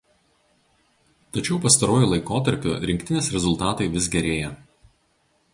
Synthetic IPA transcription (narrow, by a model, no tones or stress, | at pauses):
t̪ɐt͡ʃʲɛʊpɐst̪ɐɾoːjuˑlˠɐɪkoːt̪ɐɾʲpʲo̰ɾʲɪŋʲkʲt̪ʲɪnʲeːsɾʲɛzʊlˠt̪ɑːt̪ɐɪʋʲɪsɡʲɛɾʲeːjɛ